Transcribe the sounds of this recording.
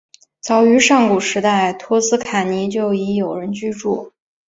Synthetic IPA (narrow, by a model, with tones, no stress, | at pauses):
t͡sɑ˧˥ʊy˧˥ʂɑ˥˩ŋku˨˩ʂɻ̩˧˥t̪a˥˩ɪt̪ʰwɔ˥sɹ̩˥kʰa˨˩ni˧˥t͡ɕjo˥˩ʊi˧˥jo˨˩ʊɻə˧˥nt͡ɕy˥˧ʈ͡ʂu˥˩